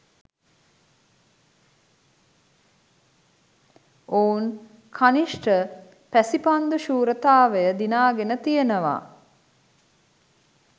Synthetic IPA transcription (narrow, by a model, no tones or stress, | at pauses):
oːun | kʰaniʂʈə | pæsipand̪uʃuːɾət̪aːʋəjəd̪inaːɡenət̪ijənəʋa̰